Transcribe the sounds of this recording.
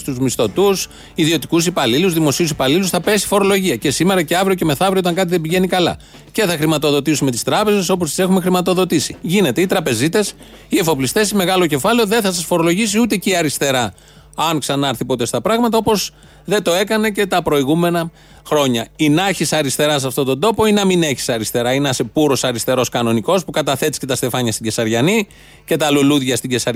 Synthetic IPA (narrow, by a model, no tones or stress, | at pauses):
st̪uzmist̪o̞t̪us | iðio̞t̪i̥kusipɐliluzðimo̞siusipɐlilusθɐpe̞si̥fo̞ɾo̞lo̞ʝiɐce̞sime̞ɾɐceɐvɾioce̞me̞θɐvɾiot̪ɐŋkɐt̪̬iðebiʝe̞nikɐlɐ̰ | ce̞θɐxɾimɐt̪o̞ðo̞t̪isume̞t̪i̥st̪ɾɐpe̞ze̞so̞post̪i̥se̞xume̞xɾimɐt̪o̞ðo̞t̪isiʝine̞t̪e̞it̪ɾɐpe̞zit̪e̞s | ie̞fo̞plist̪e̞sime̞ɣɐlo̞ce̞fɐleo̞ðe̞θɐs̬ɐsfoɾo̞lo̞ʝisiut̪eciɐɾist̪e̞ɾɐ | ɐŋksɐnɐɐɾθipo̞t̪est̪ɐpɾɐɣmɐt̪ɐo̞po̞s | ðet̪o̞e̞kɐne̞ce̞t̪ɐpɾo̞iɣume̞nɐ | xɾo̞ɲɐinɐçisɐɾist̪e̞ɾɐs̬ɐft̪o̞t̪o̞nd̪o̞po̞inɐmine̞çi̥sɐɾist̪e̞ɾɐinɐsepuɾo̞sɐɾist̪e̞ɾo̞skɐno̞niko̞spukɐt̪ɐθe̞t̪isce̞t̪ɐst̪e̞fɐɲɐst̪iɟe̞sɐɾʝɐni | ce̞t̪ɐluluðʝɐst̪iɟe̞sɐ